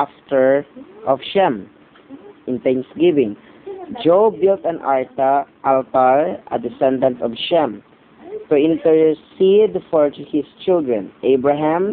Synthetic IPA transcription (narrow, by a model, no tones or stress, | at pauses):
aft̪ɛɹʔɔfʃɛ̃m | ʔɪ̃nt̪ɛ̃ŋsɡɪvɪ̃ŋ | d͡ʒowbɪlt̪ɐ̃nʔa̰ɹt̪aʔalt̪aɹʔɐ̰d̪ɪsɛ̃nd̪ãnt̪ɔvʃɛ̃m | t̪ʊɪ̃nt̪ɛɹsid̪fɔɹt̪ʊhɪst͡ʃɪld̪ɹɛ̃nʔejbɹaɦãm